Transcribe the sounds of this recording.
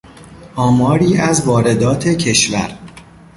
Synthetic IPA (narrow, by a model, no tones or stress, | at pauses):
ʔɒːmɒːɾiːʔæzvɒːɾe̞d̪ɒːt̪ʰe̞cʰe̞ʃvæ̰ɾ